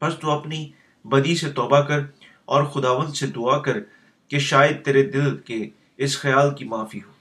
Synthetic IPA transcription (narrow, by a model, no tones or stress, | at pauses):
pɐst̪uɐpni | bɐd̪iset̪ɔːbakɐɾ | ɔːɾxʊd̪aːʋə̃nd̪sed̪ʊakɐɾ | keʃaːjəd̪̚t̪eːɾed̪ɪlke | ɪsxɪjaːlkimaːfiɦoː